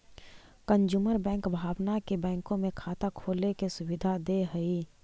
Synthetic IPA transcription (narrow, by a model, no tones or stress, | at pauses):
kənd͡ʒuːməɾbɛ̃ːŋkbʱaːwnakebɛ̃ːŋkõmẽkʰaːt̪akʰoːlekesʊwɪd̪ʱad̪eɦəiː